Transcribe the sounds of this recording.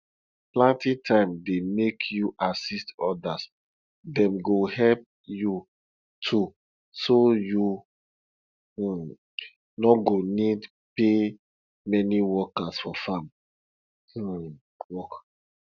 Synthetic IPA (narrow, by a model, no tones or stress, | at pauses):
plãntĩtʰãɪ̃mdemekʰjuʔasistɔdas | dɛ̃mɡohɛlp̚ | ju | tʰu | soju | nɔɡonid | pe | mɛniwɔkasfɔfãm̩ | wɔk